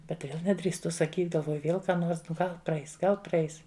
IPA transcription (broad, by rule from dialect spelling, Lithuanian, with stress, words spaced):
ˈbʲɛt ˈʋʲeːlˠ nʲɛdʲrʲiːsˈtʊ sɐˈkʲiːt ɡɐlˠˈʋoːjʊ ˈʋʲeːlˠ ˈkɑː ˈnoːrs nʊ ˈɡɐlˠ prɐˈɛɪs ˈɡɐlˠ prɐˈɛɪs